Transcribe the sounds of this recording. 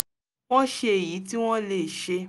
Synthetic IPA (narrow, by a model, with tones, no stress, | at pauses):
w̃ɔ̃˦ʃe˧e˨ji˨˦ti˦w̃ɔ̃˦le˨ʃe˧